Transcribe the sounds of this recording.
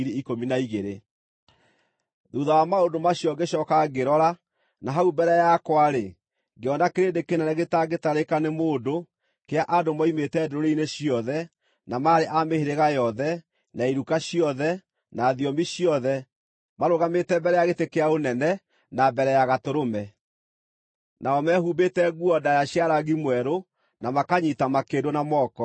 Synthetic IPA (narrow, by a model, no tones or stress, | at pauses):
ɾeikominaiɣeɾe | ðuðawamaondomaɕjɔɡeɕɔkaɡeɾɔɾa | naɦaubɛɾɛjakwaɾe | ɡeɔnakeɾendekenɛnɛɣetaɡetaɾekanemoːdo | keaʔadomɔimetɛdoɾoɾeineɕiɔðɛ | namaɾeʔameheɾeɣajɔðɛ | naiɾukaɕiɔðɛ | naðiɔmiɕjɔðɛ | maɾoɣametɛbɛɾɛjaɣetekeaonɛnɛ | nabɛɾɛjaɣatoɾomɛ | naɔmɛhubetɛɣuɔdajaɕjaɾaɣimwɛɾo | namakaɲitamakendonamɔːkɔ